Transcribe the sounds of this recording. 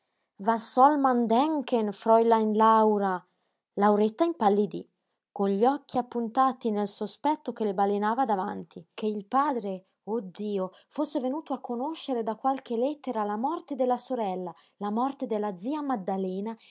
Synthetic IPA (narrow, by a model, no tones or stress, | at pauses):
vasɔlmand̪ɛŋkenfɾɔjlainlawɾa | lawɾet̪ːaimpalːid̪ḭ | konʎiɔk̟ːiapːunt̪aːt̪inelsospɛt̪ːokelebalenaːvad̪avant̪ʰikeilpaːd̪ɾe | od̪ːiːo | fosːevenuːt̪oakʰːonoʃːeɾed̪akːwalk̟elɛt̪ːeɾalamɔrt̪ed̪elːasoɾɛlːa | lamɔrt̪ed̪elːad̪zːiːamad̪ːalɛːna